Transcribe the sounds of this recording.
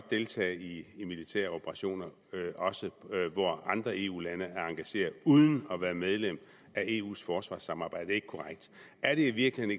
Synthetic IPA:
d̥̚d̥e̝lt͡sʰɛ̰ːɪiːmilit͡sʰæ̰ɐo̝b̥ʰəʁɑ̈ɕo̝̰ːnɐ | ʔɒ̽səʋɒɑ̈nd̥ʁɐe̝̰ːṵːlænəæɐɑ̈ŋɡ̥æɕe̝̰ːɐðˠuð̞ˠən̩ɒ̽ʋæːɐmeð̞ˠlem̰ | æe̝̰ːṵːsfɒːsʋɑ̰̈ːsɑ̈mɑ̈ːb̥ɑ̈ɪ̰d̥e̝ɡ̥kʰɒʁaɡ̥̚d̥ | æɐɾ̥e̝iʋiɐɡ̥lihene

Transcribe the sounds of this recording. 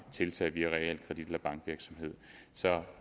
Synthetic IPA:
t͡sʰe̝lt͡sʰɛ̰ːʋiæʁɛel̰kʰʁɛd̥id̥elæb̥ɑ̈ŋɡ̥ʋiɐɡ̥sɒ̽mɦe̝ð̞̰ˠsɒ̽

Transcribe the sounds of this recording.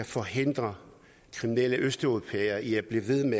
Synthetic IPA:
æfɒ̽ɦe̝n̰d̥ʁɐ | kʰʁiminel̰əʔøsd̥opʰeːɐiæb̥liʋe̝ðˠme

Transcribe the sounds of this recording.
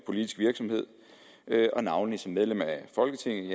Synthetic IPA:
pʰo̝lid̥isɡ̥ʋiɐɡ̥sɒ̽mhe̝ð̞̰ˠ | øʔɒ̽nɑ̈ʊnlisɒ̽mːeðˠlemæfɒ̽lɡ̥ət͡sʰe̝ŋ̰ð̩ˠ

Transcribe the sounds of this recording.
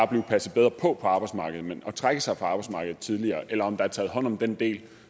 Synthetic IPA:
ɑb̥liʊpʰæsð̩ˠb̥eðˠʁɐpʰɒ̽pʰɒ̽ɑ̈ːb̥ɑ̈ɪ̥smɑ̈ːɡ̥əð̞̩ˠmenɒ̽t͡sʰʁaɡ̥əsɑ̈ɪfʰɒ̈ɑ̈ːb̥ɑ̈ɪsmɑ̈ːɡ̥ð̩ˠt͡sʰið̞ˠliɐːʔelɐɒ̽md̥ɑ̈æɐt͡sʰɛːðˠɦɒ̽n̰ɒ̽md̥end̥e̝̰ːl

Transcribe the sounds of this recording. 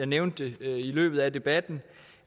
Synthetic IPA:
ɑ̈ɪneʊnd̥e̝ilø̰ːb̥ð̩ˠæd̥e̝b̥æd̥n̩

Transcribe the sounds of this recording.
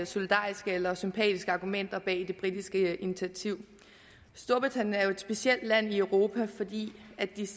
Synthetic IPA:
so̝lid̥ɑ̰̈ːisɡ̥əelɐsympʰɛ̰ːd̥isɡ̥əɑ̈ːɡ̥umen̰d̥ɐb̥ɛ̰ːd̥e̝b̥ʁid̥isɡ̥əinit͡sʰiæt͡sʰiʊ̰ | sd̥o̝ɐb̥it͡sʰænæɐjo̝e̝d̥sb̥e̝siel̰d̥læn̰iøʊʁo̝ːpʰæfɒ̽d̥ḭːæd̥i

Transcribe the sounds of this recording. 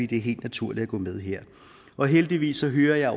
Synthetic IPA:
ḭːd̥eæɐɦe̝̰ːld̥næt͡sʰuɐ̰lid̥æɡ̥ɔ̰̽ːmeð̞ˠɦeɐ̰ | ʔɒ̽ɦeld̥iʋḭːsɒ̽ɦøːɐjɑ̈ɪɒ

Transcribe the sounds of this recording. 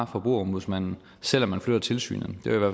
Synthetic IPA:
ɑ̈fɒ̽b̥ʁṵːɒmbuðˠsmæn̰n̩ | sel̰ɒmːænflød̥ˠɐt͡sʰe̝lsy̰ːnəd̥eiʋæɐ̰

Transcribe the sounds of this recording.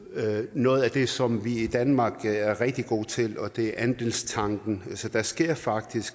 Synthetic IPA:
nɔ̽ːð̞̩ˠæd̥e̝sɒ̽mʋiid̥ænmɑ̈ːɡ̥æɐʁɛɡ̥̚d̥iɡ̥o̝̰ːt͡sʰe̝lɒ̽d̥e̝æɐʔænd̥e̝lst͡sʰɑ̈ŋɡ̥n̩ælsɒd̥ɑ̈sɡ̥e̝ɐ̰fɑ̈ɡ̥̚d̥isɡ̥

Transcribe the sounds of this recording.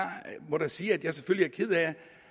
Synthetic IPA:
mɒɾ̥asiːæd̥jɑ̈seføl̰liæɐkʰið̰ˠæ

